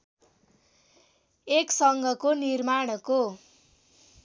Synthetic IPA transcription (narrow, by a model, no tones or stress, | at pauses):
eksʌŋɡʱʌkonirmaɽ̃ʌko